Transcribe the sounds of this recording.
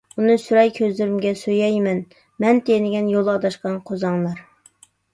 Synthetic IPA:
unɨsyɾɑjkʲʰøzlɪɾymɡʲɛsøjɛjmɛn | mɛnt̪ʰenɪɡʲɛnjolˠɑd̪ɑʃqɑnqʰozɑŋlˠɑɾ

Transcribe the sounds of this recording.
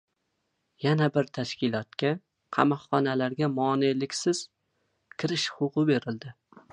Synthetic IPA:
janabɪɾt̪ʰaʃkʲɪlˠɒt̪̚kʲa | qʰɑmɒhːɒnalaɾɡʲamɒːnelɪkʲsɪz̥ | kʲʰɪɾɪʃχʊqɨbe̞ɾɪld̪ɪ

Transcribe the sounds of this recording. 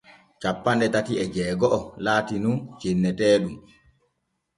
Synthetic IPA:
t͡ʃapːanɗɛtatiɛd͡ʒɛːɡɔʔɔlaːtinunt͡ʃenːɛtɛːɗum

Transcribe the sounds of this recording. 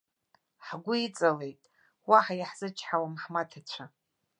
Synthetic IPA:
ħɡʷʊit͡sʼale̞jtʼ | waħajaħz̥ɨt͡ʃʰħawamħmatʰat͡ɕʷʰa

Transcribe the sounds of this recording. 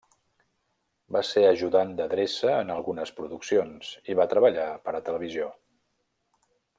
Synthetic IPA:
baseəʒuðand̪əðɾesəːnəlˠɣunəspɾuðuksionz̥iβat̪ɾəβəʎapəɾət̪ələβ̞izio

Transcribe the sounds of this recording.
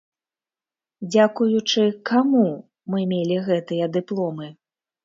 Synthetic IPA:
d͡zʲakujut͡ʂɨkamu | mɨmʲelʲiɣɛt̪ɨjɐd̪ɨplˠɔmɨ

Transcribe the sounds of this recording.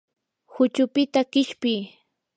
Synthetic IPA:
hʊt͡ʃʊpɪt̪aɢɪʃpɪj

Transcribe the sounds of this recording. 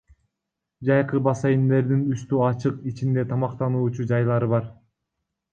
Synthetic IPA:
d͡ʒɑjqɯbɑsɑjind̪e̞ɾd̪inyst̪yɑt͡ʃɯqit͡ʃind̪e̞t̪ʰɑmɑqt̪ɑnuːt͡ʃud͡ʒɑjlˠɑɾɯβɑɾ

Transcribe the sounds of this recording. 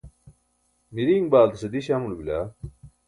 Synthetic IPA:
miɾiːŋbaːlt̪ɐsɐd̪iɕaːmulbila̰ː

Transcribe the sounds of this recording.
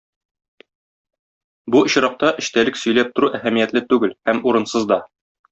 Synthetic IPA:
buɤ̆ɕɾɑq̚t̪ɑʔɘ̆ɕt̪ælɘksɵ̆jlæp̚t̪ŏɾuʔæhæmijæt̪lɘt̪ʉɡɘlhæmuɾɤ̆nsɤzd̪ɒ

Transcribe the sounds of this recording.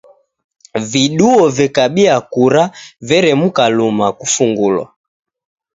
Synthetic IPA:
viɗuɔvɛkaɓiakuɾavɛɾɛmukalumakufuŋɡulwa̰

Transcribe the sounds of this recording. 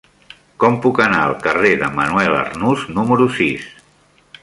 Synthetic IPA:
kɔmpukəna̰ə̰lˠkəreðəmənuɛlə̰rnuznuməɾusis

